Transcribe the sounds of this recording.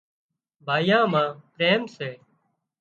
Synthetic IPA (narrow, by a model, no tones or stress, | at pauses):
bʱaːjãːmãːpɾeːmseː